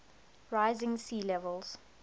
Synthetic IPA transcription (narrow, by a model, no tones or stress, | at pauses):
ɹaɪzɪ̃ŋsiːlɛvəlz̥